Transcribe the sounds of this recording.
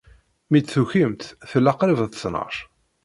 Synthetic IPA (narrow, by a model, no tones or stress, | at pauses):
mid̪θuçimt̪θəlːɑqɾivt̪snə̰ɾˤ